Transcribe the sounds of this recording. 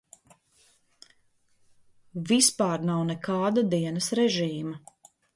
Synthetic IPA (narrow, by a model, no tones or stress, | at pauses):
vispɑːɾnawnɛkɑːd̪ad̪iɛnɐsɾɛʒiːmɐ